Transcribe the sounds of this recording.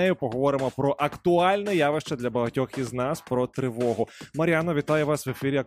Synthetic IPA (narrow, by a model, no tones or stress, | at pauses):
ɛjʊpɔɦɔʋɔɾɪmɔpɾɔʔɐkt̪ʊɑlʲnɛjaʋɪʃt͡ʃɐd̪lʲɐbɐɦɐtʲɔxiznɑspɾɔt̪ɾɪʋɔɦʊmɐɾʲjanɔʋʲit̪ɑjʊʋɑsʋefʲiɾʲiɐk